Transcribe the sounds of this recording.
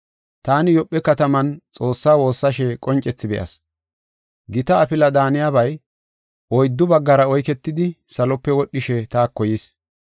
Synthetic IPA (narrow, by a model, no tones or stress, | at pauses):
t̪aːnɪjɔpʼːɛkɐt̪ɐmɐnt͡sʼo̞ːsːaːwo̞ːsːɐʃɛkʼɔnt͡ʃʼɛt͡sːɪbɛ̰ʔɐ̰s | ɡɪt̪ɐːfɪlɐd̪aːnɪjabɐj | ʔɔjd̪ːʊbɐɡːɐɾɐɔjkɛt̪ːɪd̪ɪsɐlɔpːɛwɔɗːɪʃɛt̪aːkːɔjɪs